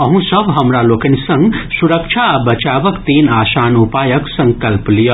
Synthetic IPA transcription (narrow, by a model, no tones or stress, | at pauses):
əɦũsəbʱɦəmɾalokənisə̃ŋɡsuɾəkt͡ʃʰabət͡ʃabəkt̪enasanupajəksə̃ŋkəlplijə